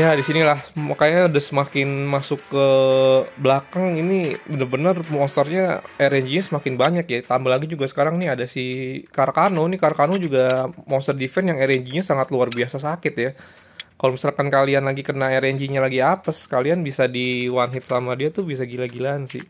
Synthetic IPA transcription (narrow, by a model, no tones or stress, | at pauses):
jadisinilahmakajaudəsəmakɪnmasʊkːə | blakaŋinibənərbənərmɔst̪ərɲaeɾɛɲd͡ʒiɲasəmakɪnbaɲakjat̪ambəlaɡid͡ʒuɡasə̥kaɾaŋnɪadasikaɾakanonɪkaɾakanod͡ʒuɡamɔnst̪ərdifɛnjaŋeɾɛɲd͡ʒiɲasaŋat̪luarbiasasakɪt̪ja | kalomisalkankalianlaɡikərnaeɾɛɲd͡ʒiɲalaɡiapaskalianbisadiwanɦɪt̪̚samadiat̪ubis̬aɡilaɡilansḭ